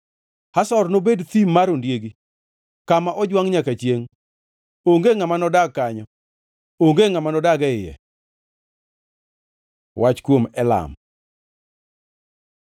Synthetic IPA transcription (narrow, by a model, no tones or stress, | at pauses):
hasɔrnobedt̪imaɾondjeɡi | kamaʔɔd͡ʒwaŋɲakat͡ʃjeŋ | oŋɡeŋamanɔdaɡkːaɲɔ | oŋɡeŋamanɔdaɡɛɪjɛ̰ | wat͡ʃkwomɛla̰m